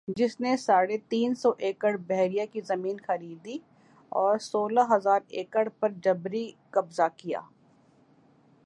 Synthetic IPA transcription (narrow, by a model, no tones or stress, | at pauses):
d͡ʒɪsnesaːɽet̪iːnsɔʔeːkəɽbɛɦɾijakizɐmiːnxɐɾiːd̪i | ɔːɾsoːlaɦɐzaːɾeːkəɽpɐɾd͡ʒɐbɾikɐbzakija̰ː